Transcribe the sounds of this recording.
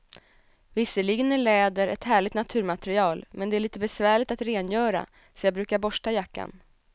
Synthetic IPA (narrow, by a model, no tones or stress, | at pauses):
vɪsːəɭɪɡənæɭɛːd̪əɾɛ̰t̪hæːɭɪɡ̚t̪nat̪ʰʉ̟ːɾmat̪ɛɾɪɑːlmɛnd̪ɛæɭiːt̪əbɛsvæːɭɪt̪at̪ɾeːnjœːɾa̰ | sɔjɑːbɾʉ̟ːkaɾbɔʂʈajakːa̰n